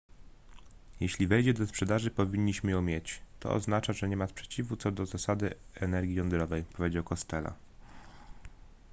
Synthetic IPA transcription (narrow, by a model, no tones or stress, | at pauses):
jɛɕlʲivɛjd͡ʑɛd̪ɔspʂɛd̪aʐɘpɔvʲiɲːiɕmɘjɔ̃w̃mʲjet͡ɕt̪ɔ̰ɔ̰znat͡ʂaʐɛɲɛmaspʂɛ̥t͡ɕivut̪sɔd̪ɔzasad̪ɘɛnɛɾɡʲijɔnd̪ɾɔvɛjpɔvʲed͡ʑawkɔst̪ɛla̰